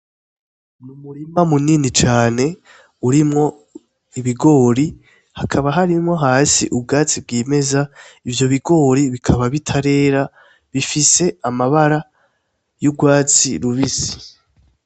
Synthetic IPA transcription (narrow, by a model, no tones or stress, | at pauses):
numuɾimamuninit͡ʃaːne̞ | uɾimŋo̞ | iβiɡo̞ːɾi | hakʰaβaɦaɾimŋo̞ɦaːsiʔub̚ɡaːt͡sib̚ɡiːme̞zaivjo̞βiɡo̞ːɾiβikʰaβaβitʰaɾe̞ːɾa | βifise̞amaβaɾa | jubɡwaːt͡siɾuβisi̥